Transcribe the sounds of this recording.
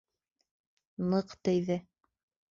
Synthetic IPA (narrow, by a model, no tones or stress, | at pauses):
nɤqt̪ɘ̆jðɘ